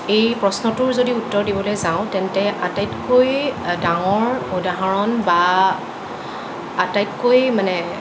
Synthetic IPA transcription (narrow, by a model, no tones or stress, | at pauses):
ejpɹɔsnɔtʊɹzodiutːɔɹdibɔlojzãʊ̃tɛntɛʔatajtkojdaŋɔɹudaɦaɹɔnba | atajtkojmanɛ